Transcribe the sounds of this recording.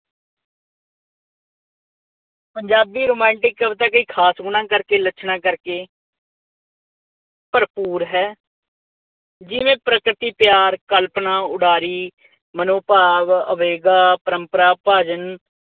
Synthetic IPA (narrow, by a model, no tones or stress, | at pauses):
pəɲd͡ʒaːbiːɾoːmɛ̃ːɳʈɪkːəbt̪aːkəiːkʰaːsɡʊɳãːkəɾkeːlət͡ʃʰnãːkəɾkeː | pəɾpuːɾɦɛː | d͡ʒɪʋẽːpɾəkɾɪt̪iːpjaːɾkəlpnãːʊɖaːɾiː | mənoːpaːʋəʋeːɡaːpəɾəmpəɾaːpaːd͡ʒən